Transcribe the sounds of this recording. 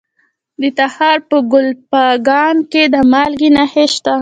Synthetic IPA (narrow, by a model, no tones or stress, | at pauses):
d̪ət̪ahɑɾpəɡʊlpaɡɑnked̪əmɑlɡinaheʃt̪a